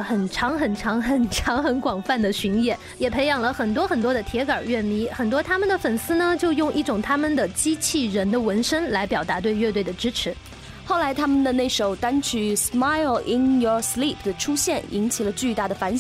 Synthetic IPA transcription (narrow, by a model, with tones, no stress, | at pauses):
xə˨˩nʈ͡ʂʰɑ˧˥ŋxə˨˩nʈ͡ʂʰɑ˧˥ŋxə˨˩nʈ͡ʂʰɑ˧˥ŋxə˧˥nkwɑ˨˩ŋfa˥˩nd̪ə˩ɕy˧˥ŋjɛ˨˩˦ | jɛ˨˩pʰe˧˥ɪjɑ˨˩ŋlə˦xə˨˩nt̪wɔ˥xə˨˩nt̪wɔ˥d̪ə˨t̪ʰjɛ˧˥kə˞˨˩ɥɛ˥˩nmi˧˥xə˨˩nt̪wɔ˥t̪ʰa˥mə˨nd̪ə˩fə˨˩nsɹ̩˥nə˨t͡ɕjo˥˧ʊjʊ˥˧ŋʔḭ˥˩ʈ͡ʂʊ˨˩ŋt̪ʰa˥mə˨nd̪ə˩t͡ɕi˥t͡ɕʰi˥˩ɻə˧˥nd̪ə˧wə˧˥nʂə˥ŋla˧˥ɪpjɑ˨˩ʊt̪a˧˥t̪we˥˧ɪɥɛ˥˧t̪we˥˩ɪd̪ə˩ʈ͡ʂɻ̩˥ʈ͡ʂʰɻ̩˨˧˥ | xo˥˩ʊla˧˥ɪt̪ʰa˥mə˨nd̪ə˩ne˥˩ɪʂo˨˩ʊt̪a˥nt͡ɕʰy˨˧˩sma˥ɪlɪ˧njɔ˨˩sli˥˩pʰd̪ə˩ʈ͡ʂʰu˥ɕjɛ˥˩ni˧˥ŋt͡ɕʰi˨˩lə˦t͡ɕy˥˧t̪a˥˩d̪ə˩fa˧˥nɕ